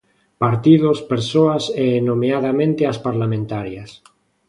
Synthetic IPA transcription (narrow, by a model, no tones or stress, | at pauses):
paɾt̪iðospeɾsoaseːnomeaðamẽnt̪easpaɾlamẽnt̪aɾjas